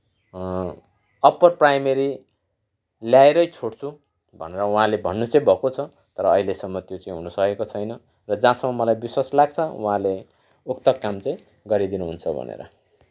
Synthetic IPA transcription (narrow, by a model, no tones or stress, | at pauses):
ʌpʌrprajmeɾi | ljaeɾʌjt͡sʰoɽt͡sʰu | bʱʌ̰neɾʌũɦãlebʱʌnːut͡sʌĩbʱʌkot͡sʰʌ | t̪ʌɾʌːɦilesʌmːʌt̪jot͡saĩɦunʌsʌkekot͡sʰʌjnʌ | rʌd͡zãsʌmːʌmʌlajbiswaslaɡ̚t͡sʰʌũɦãle | ukt̪ʌkamt͡saĩ | ɡʌɾid̪inuɦunt͡sʰʌbʱʌ̰nḛɾʌ̰